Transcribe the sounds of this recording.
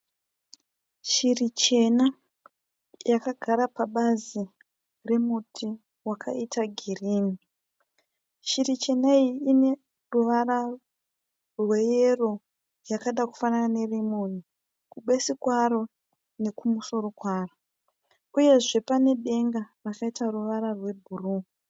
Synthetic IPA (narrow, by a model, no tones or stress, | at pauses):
ʃirit͡ʃe̞na | jakaɡʱaɾapaɓazi | re̞mutʰi | wakʰa̰itaɡʱiriːni | ʃirit͡ʃe̞naiine̞ | ruʋara | rwe̞jero̞ | jakaɗaku̥fanane̞rimoni | kuɓe̞sikwaɾo̞ | ne̞kumuso̞ɾo̞kwaːro | uje̞ʐe̞pane̞ɓe̞ŋɡarakaitaruʋaɾarwe̞bʱuru